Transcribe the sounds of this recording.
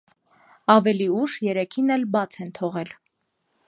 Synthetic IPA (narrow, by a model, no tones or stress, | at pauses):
ɑvɛliuʃjɛɾɛkʰinɛlbɑt͡sʰɛnt̪ʰɔʁɛl